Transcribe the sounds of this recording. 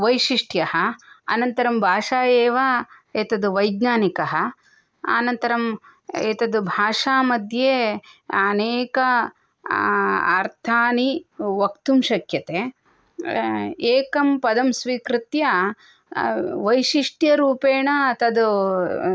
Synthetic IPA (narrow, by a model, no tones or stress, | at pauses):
ʋɐjʃiʂʈʰjɐɦɐɐ̰nɐnt̪ɐɾɐmbʱaːʂaːjeːʋaːeːt̪ɐd̪uʋɐjɡɲaːnikɐɦɐ̆ | a̰ːnɐnt̪ɐɾɐmeːt̪ɐd̪ubʱaːʂaːmɐd̪ʱjeːɐneːkɐ | ɐɾt̪ʰaːniʋɐkt̪umʃɐkjɐt̪eː | eːkɐmpɐd̪ɐmsʋikɾut̪jɐ | ʋɐjʃiʂʈjɐɾuːpeːɳɐt̪ɐd̪u